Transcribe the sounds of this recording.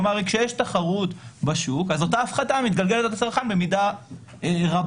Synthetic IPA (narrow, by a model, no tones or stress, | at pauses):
maʁikʃejeʃt̪aχaʁutbaʃukazotaːfχatamit̪ɡalɡelet̪et̪at͡salχanbe̞mida | eʁab